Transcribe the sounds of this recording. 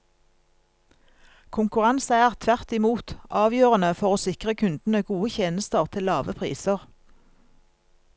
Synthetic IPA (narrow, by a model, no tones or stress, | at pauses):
kʰʊŋkʉʁɑnsəæːʁt̪ʰʋæʁt̪ɪmuːt̪ʔɑːʋjøːʁənəfɔʁoːsɪkʁəkʰʉnd̪n̩əɡuːəçeːnəst̪əʁt̪ʰɪlːɑːʋəpʰʁḭːsəʁ